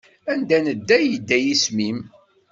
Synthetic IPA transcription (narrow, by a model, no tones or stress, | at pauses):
ænd̪ænəd̪ːæjəd̪ːæjismim